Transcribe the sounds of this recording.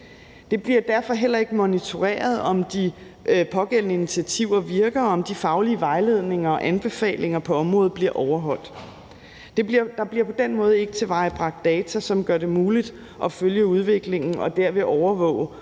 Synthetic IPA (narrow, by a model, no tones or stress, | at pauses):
d̥e̝b̥liɐd̥æɐ̰fɒ̽ɦel̰ɐe̝ɡ̥əmonit͡sʰo̝ʁḛːɐð̞̩ˠɒ̽md̥i | pʰɒ̽ɡ̥en̰nəinit͡sʰiæt͡sʰiʊ̰ɐʋiɐɡ̥ɐɒmd̥ifɑ̈ʊliəʋɑ̈ɪle̝ð̞̰ˠne̝ŋɐɒ̽ʔænb̥e̝fɛ̰ːle̝ŋɐpʰɒ̽ɒ̽mʁɔ̽ːð̩ˠb̥liɐʔɒʊɐɦɒ̽l̰d̥ | d̥e̝iɐd̥ɑ̈b̥liɐpʰɒ̽d̥en̰mɔ̽ːð̞̩ˠe̝ɡ̥ət͡sʰe̝ʋɑ̈ɪb̥ʁɑ̈ɡ̥̚d̥ɛːt͡sʰæsɒ̽mɡ̥ɶɐd̥e̝muːlid̥ | ʔɒ̽føljəuð̞ˠʋe̝ɡ̥le̝ŋn̩ɒ̽d̥æɐʋe̝ʔɒʊɐʋɔ̰̽ːʊ̰